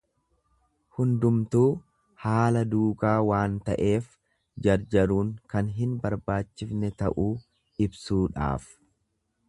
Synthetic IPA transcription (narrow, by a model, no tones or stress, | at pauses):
hʊnd̪ʊmt̪uː | haːlɐd̪uːkaːwaːnt̪ɐʔe̞ːf | d͡ʒɐɾd͡ʒɐɾuːŋkɐnɦɪnbɐɾbaːt͡ʃːɪfnɛt̪ɐ̰ʔuː | ɪbsuːᶑa̰ːf